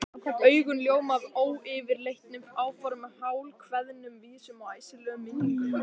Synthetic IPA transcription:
kaœːɥɣʏnljoːwmaðoːwɪvɪɾlejht̪nʏmaːwfɔɾʏmɛðhaːwlkʰvɛðnʏmviːsʏmawaːjsɪlœːɣʏmɪnːŋ

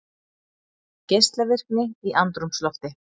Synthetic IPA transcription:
cejst̪lavɪr̥knɪiʔant̪ɾumslɔft̪ɪ

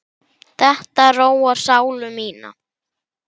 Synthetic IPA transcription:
θɛht̪aɛrroːwaɾ̥saːwlʏmiːna̰

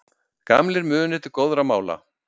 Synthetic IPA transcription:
ka̰mlɪɾmʏːnɪt̪ʏɾkowðɾamaːwla̰

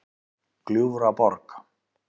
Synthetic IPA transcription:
kluɾapɔɾk

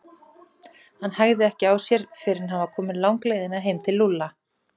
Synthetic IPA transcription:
hanːhaɣðɪɛhcɪaːwsjɛɾ̥fɪɾɪnɦavakʰɔːmɪnlawŋkleːjðɪnaɦeːjmt̪ʰɪlːulːa

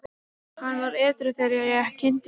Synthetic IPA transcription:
hanːvaɾɛːt̪ɾʏθɛɾɛjacʰɪnt̪

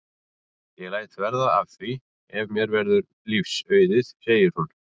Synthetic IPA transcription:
jɛɣlaːjt̪vɛɾðaa̰vθvi | ɛvmjɛɾvɛɾðʏɾ | lifsœɥðɪðseːjɪɾ̥hun

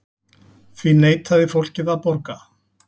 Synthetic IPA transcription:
θvineːjt̪haðɪfowl̥cɪðapɔɾka

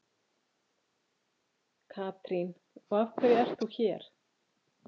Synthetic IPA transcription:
kʰaːt̪ɾin | ɔafkʰvɛːɾjɛr̥t̪θuçɛɾ̥

